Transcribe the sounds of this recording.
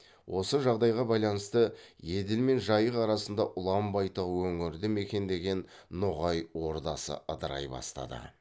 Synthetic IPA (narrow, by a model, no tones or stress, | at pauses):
wʔo̞səʒɑʁd̪ɑjʁɑbɑjlˠɑnəst̪əje̞d̪ɪlme̞nʒɑjəqɑɾɑsənd̪ɑʔʊlˠɑmbɑjt̪əwɵŋɪɾd̪ɪme̞kʲe̞nd̪e̞ɡʲe̞nː | ʊʁɑjwo̞ɾd̪ɑsə̰əd̪əɾɑ̰jbɑ̰st̪ɑ̰d̪ə̰